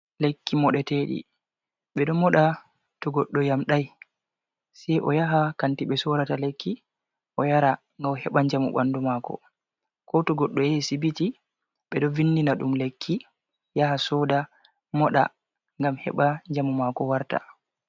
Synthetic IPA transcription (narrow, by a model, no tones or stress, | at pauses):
lekːimɔɗɛteːɗḭ | ɓɛɗɔmɔɗa | tɔɡɔɗːɔjamɗaj | sɛjʔɔjaɦakantiɓɛsɔɾatalekʰːi | ʔɔjaɾa | ŋɡawhɛɓaɲd͡ʒamṵɓa̰ndumakɔ̰ | kɔtɔɡɔɗːɔjɛsibiti | ɓɛɗɔvinːdinaɗumlekʰːi | jahasɔda | mɔɗa̰ | ŋɡamhɛ̰ɓaɲd͡ʒamumakɔwaɾta̰